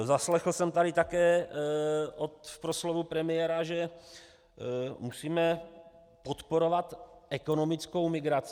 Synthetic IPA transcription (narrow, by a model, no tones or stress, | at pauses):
zaslɛxl̩sɛmt̪aɾɪt̪akɛː | ʔot̪fpɾoslovupɾɛmɪjɛɾaʒɛ | musiːmɛ | pot̪po̞ɾo̞vat̪ʔɛkono̞mɪt͡sko̞wmɪɡɾat͡sɪ